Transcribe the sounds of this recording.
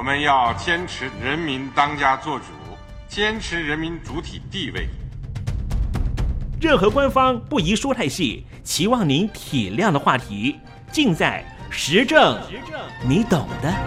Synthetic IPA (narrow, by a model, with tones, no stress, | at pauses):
mə˦njɑ˥˩ʊt͡ɕjɛ˥nʈ͡ʂʰɻ̩˧˥ɻə˧˥nmi˧˥nt̪ɑ˥ŋt͡ɕja˥t͡swɔ˥˩ʈ͡ʂu˨˩˦ | t͡ɕjɛ˥nʈ͡ʂʰɻ̩˧˥ɻə˧˥nmi˧˥nt͡su˧˥t̪ʰi˨˩t̪i˥˧we˥˩ɪ | ɻə˥˩nxɤ˧˥kwa˥nfɑ˥ŋpu˥˩i˧˥ʂwu˥t̪ʰa˥˧ɪɕḭ˥˩ | t͡ɕʰi˧˥wɑ˥˩ŋni˧˥nt̪ʰi˨˩ljɑ˥˩ŋd̪ə˩xwa˥˩t̪ʰi˧˥ | t͡ɕi˥˧ŋt͡sa˥˩ɪ | ʂɻ̩˧˥ʈ͡ʂɤ˥˩ŋ˧˥ni˧˥t̪ɤ˨˩ŋd̪ə˦